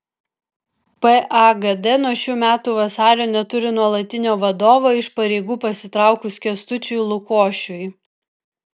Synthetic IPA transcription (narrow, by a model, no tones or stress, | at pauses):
pɛʔɑɡɛd̪ɛnuɔʃʲuːmʲæːt̪uːʋɐsɑːɾʲoːnʲɛt̪ʊɾʲɪnuɔlˠɐt̪ʲɪnʲoːʋɐd̪oːʋoːɪʃpɐɾʲɛɪɡuːpɐsʲɪt̪ɾɑˑʊkʊskʲɛst̪ʊt͡ʃʲʊjlˠʊkoːʃʲʊj